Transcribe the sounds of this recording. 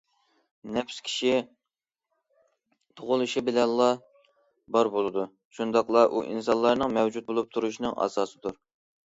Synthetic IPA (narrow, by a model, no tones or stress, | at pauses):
nɛpʰskʲʰi̥ʃi | t̪ʰoʁʊlˠuʃibɪlɛnlˠːɑ | bɑɾbolˠɨd̪u | ʃund̪ɑqlˠɑʔṵʔḭnsɑnlˠɑɾnɨŋmɛwd͡ʒut̪̚bolˠup̚t̪ʰuɾuʃnɨŋʔɑ̰sɑːsɨd̪uɾ